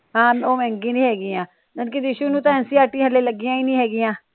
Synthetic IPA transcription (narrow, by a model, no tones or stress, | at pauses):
ɦãːmoːmɛ̃ːŋɡĩːnĩːɦɛːɡĩːãː | nənkɪd̪ɪʃuːnũːt̪ãɛ̃ːnsĩːaːʈĩːɦəleːləɡɪjãːiːnĩːɦɛːɡɪjãː